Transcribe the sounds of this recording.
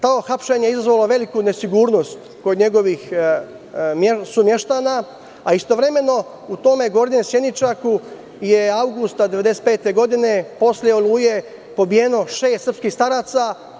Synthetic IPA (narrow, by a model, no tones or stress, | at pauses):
t̪aoxapʃe̞ɲeizazʋalo̞ʋe̞likune̞siɡuːɾno̞st̪ | ko̞d̪ɲe̞ɡo̞ʋix | mesumje̞ʃt̪ana | aist̪o̞ʋɾe̞me̞no̞ | ut̪o̞me̞ɡo̞ɾɲemsjed̪it͡ʃaku | jeawɡust̪ad̪eʋe̞d̪e̞se̥t̪pe̞ːt̪e̞ɡo̞d̪ine̞po̞slʲjeolˠuːje | po̞bijeno̞ʃe̞ːst̪sr̩pskixst̪aɾaːt̪sa